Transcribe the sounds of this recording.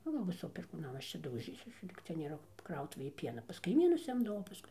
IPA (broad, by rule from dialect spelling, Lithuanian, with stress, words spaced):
nʊ ˈʋʲɪsoː pʲɛrkuːˌnɐm ˈɐʃ t͡ʃʲɛ dɐʊˈʒʲiːsʲuɔs ˈlʲiːk t͡sʲɛ nʲeːˈrɐ ˈkrɐʊtʊʋʲeːj ˈpʲiɛnɐ pɐs kɐɪˈmʲiːnʊs ˈɪmdɐʋɐʊ pɐˈskʊɪ